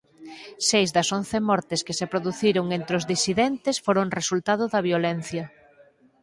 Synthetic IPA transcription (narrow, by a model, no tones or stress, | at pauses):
sejzðɐsonθemɔɾt̪ɪskɪsepɾoðuθiɾoŋẽnt̪ɾeʊzðisiðent̪esfoɾoŋresult̪aðʊðɐβjolen̟θjɐ